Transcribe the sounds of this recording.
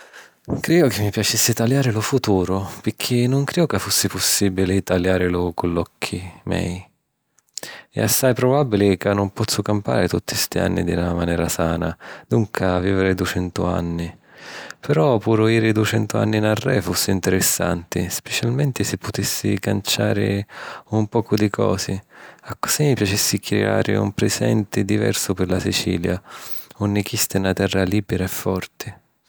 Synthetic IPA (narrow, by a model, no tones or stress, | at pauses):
kɾiːʊkɪmːipjat͡ʃisːɪt̪aljaːɾɪlʊfut̪uːɾʊpɪkʰːɪnːʊŋkɾiʊkafːusːɪpʊsːiːbilɪt̪aljaːɾɪlʊkʊlːɔkʰːimɛ̰ːj | ɛ̰asːajpɾɔbabːilɪkanːʊmpɔt̪sːʊkampa̰ːɾɪt̪ut̪ːist̪ia̰nːid̪ɪnamanɛːɾasaːnad̪uŋkʰaviːvɪɾɪd̪ut͡ʃɛnt̪ʊ̰a̰nːi | pɛɾɔpuːɾʊiːɾɪd̪ut͡ʃɛnt̪ʊa̰nːinarːɛfusːɪint̪ɪɾɪsːa̰nt̪ɪspɛt͡ʃalmɛnt̪ɪsɪpʰːʊt̪isːikant͡ʃaːɾɪ̰umpɔːkʊd̪ikʰɔ̰ːsɪakːʊ̥simːipjat͡ʃisːikɾɛ̰a̰ːɾɪ̰ṵmpɾɛsɛ̰nt̪ɪd̪ivɛ̰rsʊpɪrlasit͡ʃḭːljaʊnːɪk̟ist̪ɪnat̪ɛrːaliːbɛɾaɛfːɔrt̪ɪ